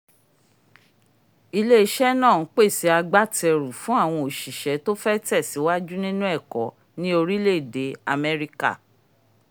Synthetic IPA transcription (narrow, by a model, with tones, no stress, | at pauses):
i˧le˦i˦ʃɛ˦nãː˦˨n̩˨˦k͡pe˦˨si˨˦a˧ɡ͡ba˦˨tɛ˧ɾu˨fũ˦a˦˨w̃ɔ̃˧o˨ʃi˨ʃɛ˨˦to˦fɛ˦tɛ˦˨si˨˦wa˦d͡ʒu˦nĩ˦nũ˦ɛ˦˨kɔ˨˦ | nĩ˦o˧ɾi˦le˦˨de˨˦a˧mɛ˦ɾi˦ka̰˦˨